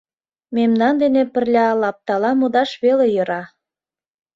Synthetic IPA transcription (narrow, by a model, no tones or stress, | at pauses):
memnɑnd̪enepə̆rlʲɑlɑp̚t̪ɑlɑmud̪ɑʃβelejɤ̆ɾɑ